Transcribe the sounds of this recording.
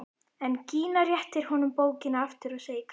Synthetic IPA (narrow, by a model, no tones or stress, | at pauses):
ɛnciːnarjɛht̪ɪɾ̥hɔnʏmpoːwcɪnaaft̪ɪɾɔɣseːjɪkʰ